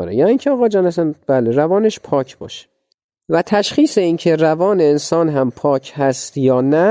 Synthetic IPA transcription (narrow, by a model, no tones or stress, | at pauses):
ɾḛjæːniːcʰeɒːɣɒːd͡ʒɒːnæsænb̥æːleɾævɒːneʃpʰɒːcʰbɒ̰ːʃe̥ | væt̪ʰæʃχiːseiːncʰe̞ɾævɒːneːnsɒːnɦæmpʰɒːcʰhæst̪jɒːnæ